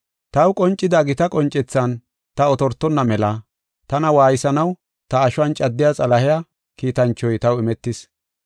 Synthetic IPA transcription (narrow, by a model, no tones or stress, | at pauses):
t̪ɐwkʼɔnt͡ʃʼːɪd̪ɐɡɪt̪ɐkʼɔnt͡ʃʼːɛt͡sːɐn | t̪ɐɔt̪ɔɾt̪ːɔnːɐmɛlɐ | t̪ɐnɐwaːjɪsɐnɐw | t̪ɐːʃʊɐnt͡ʃʼɐd̪ːɪjat͡sʼɐlɐhɪja | kiːt̪ɐnt͡ʃːɔjt̪ɐwɪmɛt̪ːɪs